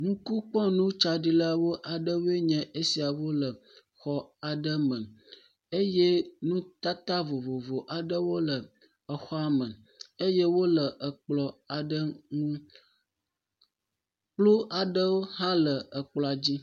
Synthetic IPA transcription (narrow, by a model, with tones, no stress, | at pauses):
ŋũ˦ku˦k͡pɔ̃˦nũ˦t͡ʃa˦ɖi˦la˦wo˦ʔa˨ɖə˦we˦ɲɛ̃˨ʔe˦si˨a˨wo˦lə˨ | xɔ˦a˨ɖə˦mə̃˨ | e˦je˦nũ˦t̪a˦t̪a˦vo˨vo˨vo˨ʔa˨ɖə˦wo˦lə˨ | ə˨xɔ˦a˨mə̃˨ | e˦je˦wo˦lə˨ʔə˨k͡plɔ˨a˨ɖə˦ŋũ˦ | k͡plo˦ʔa˨ɖə˦wo˦ɦã˦lə˨ə˨k͡plɔ˨a˨d͡ʑi˦